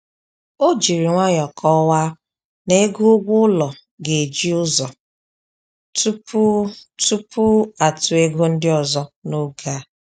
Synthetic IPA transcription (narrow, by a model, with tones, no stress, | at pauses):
o˦d͡ʒi˨ɾi˨ŋʷa˦ɲɔ˨kʰɔ˦wa˦ | ne˦ɡu˦ʊ˦ɡʷʊ˦ʊ˦lɔ˨ | ɡe˨d͡ʒi˦ʊ˦zɔ˨ | tu˦pu˦tu˦pʰu˦a˨tʊ˨e˦ɡu˦n̩˦dɪ˦ɔ˨zɔ˦no˦ɡa˦